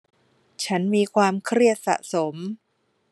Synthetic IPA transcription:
t͡ɕʰa˦˥nmiː˧kʰwaː˧mkʰɾi˥˩ət̪̚sa̰˨˩ʔso˩˦m

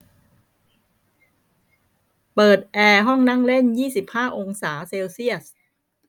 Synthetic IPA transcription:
pɤː˨˩t̪̚ʔɛː˧ɦɔ˥˩ŋna˥˩ŋle˥˩njiː˥˩si˨˩p̚haː˥˩ʔo˧ŋsaː˩˦seː˧wsi˥˩əs

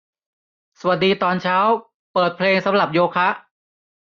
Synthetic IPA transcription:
sa˧˩wa˨˩t̚diː˧t̪ɔː˧nt͡ɕʰaː˦˥w | pɤː˨˩t̪̚pʰleː˧ŋsa˩˦mɾa˨˩p̚joː˧kʰa˦˥ʔ

